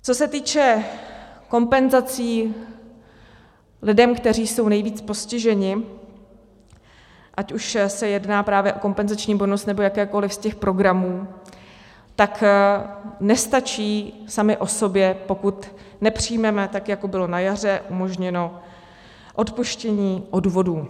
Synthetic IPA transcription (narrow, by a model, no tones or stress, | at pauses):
t͡so̞sɛt̪iːt͡ʃɛ | ko̞mpɛnzat͡siː | lɪdɛmkt̪ɛriːso̞wnɛjviːt͡spo̞scɪʒɛɲɪ | ʔacuʃsɛjɛdnaːpɾaːvjɛʔo̞ko̞mpɛnzat͡ʃɲiːbonost̪nɛbo̞jakɛːko̞lɪfscɛxpɾo̞ɡɾamuː | t̪ak | nɛst̪at͡ʃiːsamɪʔo̞so̞bjɛpo̞kut̪ | nɛpr̥ijmɛmɛt̪akjako̞bɪlo̞najar̝ɛʔumo̞ʒɲɛno̞ | ʔo̞t̪puʃcɛɲiːʔoduvo̞duː